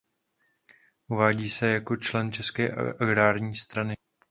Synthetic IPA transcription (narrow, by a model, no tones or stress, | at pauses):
ʔuvaːɟiːsɛjako̞t͡ʃlɛnt͡ʃɛskɛːʔa̰ʔaɡɾaːɾɲiːst̪ɾanɪ